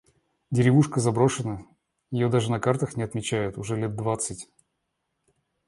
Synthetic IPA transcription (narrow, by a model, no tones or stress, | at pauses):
dʲɪɾʲɪvuʂkəzɐbɾo̞ʂɨnə | jɪjo̞d̪aʐɨnɐkart̪əxnʲɪɐt̪mʲɪt͡ɕæjʊt̪ʊʐɛlʲet̪̚d̪vat̪sɨtʲ